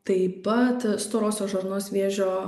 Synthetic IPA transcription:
t̪ɐɪpɐt̪st̪oːɾoːsʲoːʒɐɾnoːsʋʲeːʒʲoː

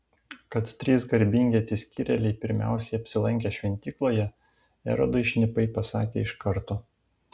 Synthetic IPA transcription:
kɐt̪t̪ʲːɾʲiːsɡɐɾʲbʲɪŋʲɡʲeɐt̪sʲɪsʲkʲiɾʲɛlʲɛɪpʲɪɾʲmʲæ̰ˑʊsʲɛɪɐpʲsʲɪlˠɐŋʲkʲɛːʃʲʋʲɛnʲt̪ʲiːklˠoːjɛ | ɛ̰ɾɐ̰d̪ɐɪʃʲnʲɪpɐɪpɐsɑ̰ːkʲḛːɪʃkɐɾt̪oː

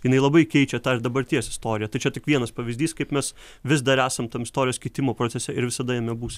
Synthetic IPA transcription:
jɪnɐɪlˠɐbɐɪkʲɛɪt͡ʃʲɛt̪ɑːɪɾd̪ɐbɐɾʲt̪ʲijɛsɪ̥st̪oːɾʲɪjɛt̪ɐɪt͡ʃʲɛt̪ʲɪkʋʲiɛnɐspɐʋʲɪzʲd̪ʲiːskɐɪpmʲɛs | ʋʲɪzd̪ɐɾæːsɐmt̪ɐmɪst̪oːɾʲɪjoːskʲɛɪt̪ʲɪmoːpɾoːt͡sʲɛsʲɛʔɪɾʋʲɪsɐd̪ɐjɛmʲɛbuːs

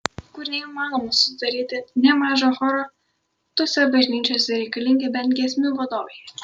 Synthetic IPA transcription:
kʊɾʲnʲɛimɑːnomɐsʊd̪ɐɾʲiːt̪ʲɪnʲɛmɑːʒoxoːɾo | t̪oːsʲɛbɐʒʲnʲiːt͡ʃʲoːsʲɛɾʲɛɪkɐlʲiŋʲɡʲɛbʲɛnt̪ʲɡʲɛsʲmʲuʋɐd̪oːʋʲɛj

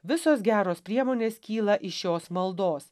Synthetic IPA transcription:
ʋʲɪsoːsɡʲæːɾoːspʲɾʲiɛmoːnʲeːskʲiːlˠɐʔɪʃjoːsmɐlˠd̪oːs

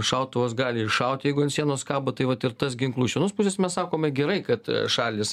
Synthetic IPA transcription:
ʃɐʊt̪ʊʋosɡɑːlʲɪɪʃɐʊt̪ʲjɛɪɡʊɐnt̪ʲsʲiɛnoːskɑːbɐt̪ɐɪʋɐt̪ɪɾt̪ɐsɡʲɪŋklˠuːʃʲɛnoːspuːsʲeːsmʲɛssɑːkoːmɪɡʲɛɾɐɪkɐt̪ʃɑːlʲɪs

